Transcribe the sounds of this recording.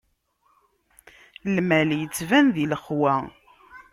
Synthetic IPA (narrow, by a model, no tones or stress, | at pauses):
lmæljət͡sːvænðiləχwæ